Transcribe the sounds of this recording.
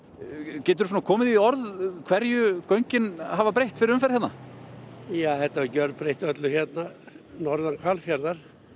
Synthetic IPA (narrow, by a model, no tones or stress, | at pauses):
cɛːt̪ɪɾʏsunakʰɔːmɪðiɔɾðkʰv̥ɛɾjʏkœɥɲcɪnhavapɾejht̪fɪɾɪɾʏmfɛɾ̥hɛt̪na̰ | jaːθɛt̪ːaɛɾcœɾðpɾejht̪œt̪lʏçɛt̪na | nɔɾðankʰvalfjaɾðaɾ̥